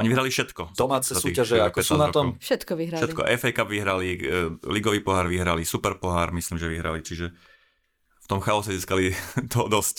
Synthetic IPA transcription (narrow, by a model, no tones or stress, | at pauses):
ɔɲiʋiɦɾalifʃɛt̪kɔd̪ɔmaːt͡sɛzatsuiːɣaʒɛakɔsnaɾɔt̪ɔɔmfʃɛt̪kɔʋiɦɾaʃlɛt̪kɔ̰ʔɛfɛjkabʋiɦɾaliliɡɔʋiːpɔɦaːɾʋiɦɾalisupɛɾpɔɦaːɾmisliːmʒɛʋiɦɾa̰lit͡ʃiʒɛ | ft̪ɔmxaɔsɛziːskalit̪ʰɔd̪ɔsc